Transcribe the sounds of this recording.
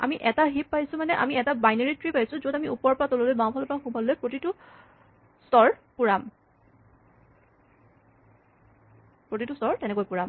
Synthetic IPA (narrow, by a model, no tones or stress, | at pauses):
a̰miʔɛtaɦippajsʊ̃manɛʔa̰miɛtabajneɹitɹipajsʊ̃zodamiupɔɹpatololojbãw̃pʰɔlɔpaxubʱɔllojpɹotitʊ | sɔɹpuɹam | pɹot̬itusɔɹtɛnɛkojpuɹam